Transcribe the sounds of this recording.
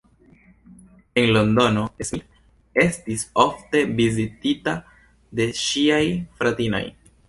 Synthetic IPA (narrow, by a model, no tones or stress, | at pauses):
e̞nlo̞ndo̞no̞esi | e̞stiso̞fte̞vizitita | de̞ʃiajfɾatino̞̰j